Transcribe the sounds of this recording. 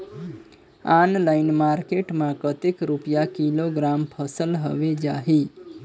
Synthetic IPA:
anlaɪnmaɾkeʈmãkət̪ekɾupjakiloɡɾampʰəsəlɦəʋed͡ʒaɦi

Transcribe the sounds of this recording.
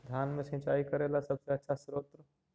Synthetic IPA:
d̪ʱjaːnmẽsẽːt͡ʃaːikɐɾeːlasɐbseɐtːʃʰasɾoːt̪ɾə

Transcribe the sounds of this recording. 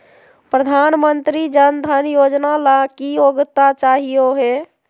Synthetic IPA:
pɾəd̪ʱanmənt̪ɾid͡ʒənd̪ʱənjod͡ʒnalakioɡt̪at͡ʃaɦijoɦe

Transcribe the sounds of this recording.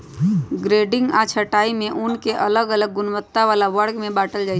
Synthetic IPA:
ɡɾeɖɪŋɡat͡ʃʰəʈaimẽʔʊnkeʔələɡələɡːʊnbət̪ːaʋalaʋəɽɡmẽbaːʈəld͡ʒaɪ

